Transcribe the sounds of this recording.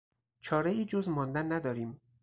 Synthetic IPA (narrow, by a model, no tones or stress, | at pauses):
t͡ʃʰɒːɾeiːd͡ʒozmɒːnd̪ænːæd̪ɒːɾiːm